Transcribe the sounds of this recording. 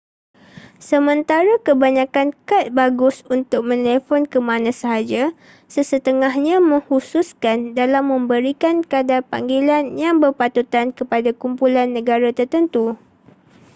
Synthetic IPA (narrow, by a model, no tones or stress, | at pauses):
səmə̃nt̪aɾakəbaɲãkankat̪̚baɡʊsunt̪ʊk̚mə̃nɛlefɔnkəmãnãsəɦad͡ʒa | səsət̪əŋaɦɲãmə̃ŋhususkandalamːə̃mbəɾikankadapa̰ŋɡelanjaŋbərpat̪ut̪ankəpadakumpulanːə̃ɡaɾat̪ərt̪ənt̪u